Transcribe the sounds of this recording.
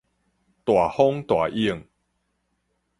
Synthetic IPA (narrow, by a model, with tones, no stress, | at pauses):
t̪wa˨˩hɔ˦ŋt̪wa˨˩ʔi˦˧ə˨ŋ